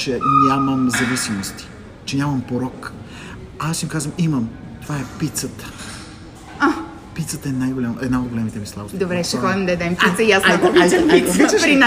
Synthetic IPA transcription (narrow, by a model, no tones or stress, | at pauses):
t͡ʃɛɲʲaməmzɐvisimost̪i̥ | t͡ʃɛnʲamɐmpoɾɔk | asimkazvəmiməm | t̪ovaɛpit̪sət̪ə̥ | a | pit̪sət̪əɛnajɡolʲamɛd̪naod̪̚ɡolʲɛmit̪ɛmislˠa̰bosd̪obɾɛt͡ʃɛxɔd̪ʲimd̪ɐɛd̪ɛmpit̪səijask̪okaiopɾina